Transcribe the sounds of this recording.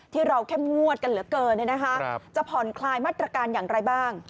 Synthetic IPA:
t̪ʰiː˥˩ɾa˧wkʰe˥˩mŋu˥˩ət̪̚ka˧nlɯ˨˩˦ɐkɤː˧nlɯ˥˩na˦˥kʰa˦˥ʔt͡ɕa˨˩pʰɔ˨˦nkʰlaː˧jmaː˥˩t̪ɾa˧kaː˧njaː˨˩ŋɾa˧jbaː˥˩ŋ

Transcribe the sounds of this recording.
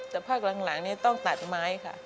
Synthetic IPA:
t̪ɛː˨˩pʰaː˥˩k̚la˨˦ŋla˩˦ŋniː˥˩t̪ɔ˥˩ŋt̪a˨˩t̪̚maː˦˥jkʰa̰˥˩

